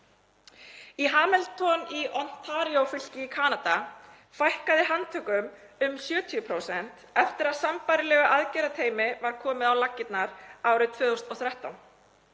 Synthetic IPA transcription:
iɦaːmɛlt̪ʰɔniʔɔn̥t̪ʰaːɾiowfʏl̥cɪikʰaːnat̪a | fajhkaðɪɦant̪ʰʏkːʏm | ʏmsjœːt̪ʰiʏpʰɾowsɛn̥t̪ɛft̪ɪɾaðsampajɾɪlɛːɣʏʔaðcɛːɾat̪ʰeːjmɪvaɾ̥kʰɔːmɪðawlacːɪt̪naɾaːwɾʏt̪ʰvœːðowst̪ɔwθɾɛht̪awn

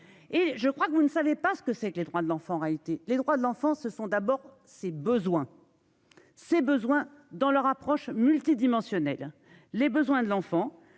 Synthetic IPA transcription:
eʒəkχwakəvunsavepasə̥kəsɛkled̪ʁwad̪əlɑ̃fɑ̃ːʁealit̪eled̪ʁwad̪əlɑ̃fɑ̃səsɔ̃d̪abɔʁ | sebəzwɛ̃ | sebəzwɛ̃d̪ɑ̃lœʁapχɔʃmylt̪id̪imɑ̃sjɔnɛlː | ebəzwɛ̃d̪əlɑ̃fɑ̃

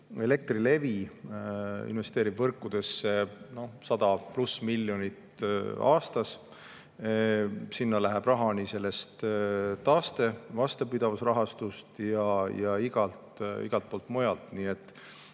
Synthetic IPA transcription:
e̞le̞k̚t̪rile̞vi | ḭnve̞st̪eːɾib̥vɤrkˑːud̪̥e̞sːe̞no̞hsɑd̪ɑplusmilːjo̞nit̪ɑːst̪ɑs | sinːɑlæɦɛb̥rɑɦɑnise̞lːe̞st̪t̪ɑːst̪e̞vɑst̪ɑpid̪̥ɑvusrɑɦɑst̪ust̪jɑjɑiɡ̥ɑlt̪ḭɡ̥ɑlt̪̚poːlt̪mojɑlt̪niːet̪ːˑ

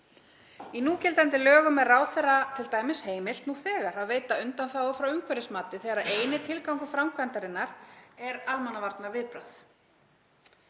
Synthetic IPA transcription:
inuːcɛlt̪ajnt̪ɪlœːɣʏmɛðraːwθɛrːat̪ʰɪlt̪aːjmɪsheːjmɪlt̪nuθɛːɣaɾaðveːjt̪aʏnt̪anθawafɾawʏŋkʰvɛɾɪsmaːt̪ɪθɛːɣaɾaðeːjnɪt̪ʰɪlkawŋkʏfɾawmkʰvant̪aɾɪnːaɾɛɾalmanavaɾt̪naɾvɪðpɾaθ

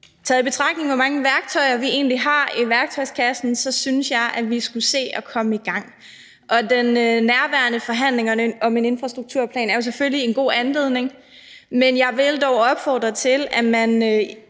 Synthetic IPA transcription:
t͡sʰɛðˠib̥e̝t͡sʰʁɑ̈ɡ̥̚ne̝ŋʋɒ̽mɑ̈ŋəʋæɐɡ̥t͡sʰɒ̽ɪɐʋie̝̰ːnliɦɑ̈iʋæɐɡ̥̚t͡sʰɒ̽ɪskʰæsn̩sɒ̽synsjɑ̈ɪʔæʋisɡ̥use̝̰ːɒ̽kʰɒ̽məiɡ̥ɑ̈ŋ̰ | ʔɒ̽d̥enøːæɐʋæɐnəfɒ̽ɦæn̰le̝ŋɒ̽me̝ne̝nfʁɑ̈sd̥ʁuɡ̥̚t͡sʰuɐ̰pʰlɛ̰ːnæɐjo̝s̬eføllie̝nɡ̥o̝̰ːænle̝ð̞̰ˠne̝ŋ | menjɑ̈ɪʋe̝ld̥ɒʊɒ̽b̥fɒ̰ːd̥ʁɐt͡sʰe̝læmæn

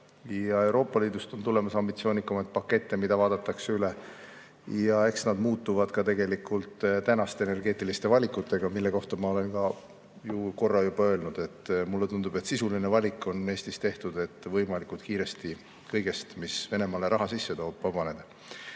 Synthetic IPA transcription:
jɑe̞wɾo̞ːpːˑɑliːd̪̥ust̪o̞nt̪ule̞mɑsɑmbit̪sio̞ːnikːɑmɑjt̪̚pɑkːe̞t̪ːe̞mid̪̥ɑvɑːd̪̥ɑt̪ːˑɑkseyle̞ | jɑe̞ksnɑd̪muːt̪ːuvɑd̪̥kɑt̪e̞ɡ̥e̞likult̪t̪ænɑst̪eene̞rɡe̞ːt̪ːˑilist̪e̞vɑlʲikːˑut̪ːe̞ɡ̥ɑmilːe̞ko̞ht̪ɑmɑo̞le̞nkɑ | juko̞rːɑjub̥ɑø̞lnud̪̥e̞t̪ːmulːet̪und̪ube̞t̪sisulinevɑlʲikːˑo̞ne̞ːsʲt̪ist̪e̞ht̪ud̪e̞t̪ːˑvɤjmɑlikult̪̚kiːɾe̞st̪i | kɤjɡ̥e̞st̪misve̞ne̞mɑle̞ɾɑɦɑsisːe̞t̪o̞ːb̥ːɑb̥ɑne̞d̪̥ɑ

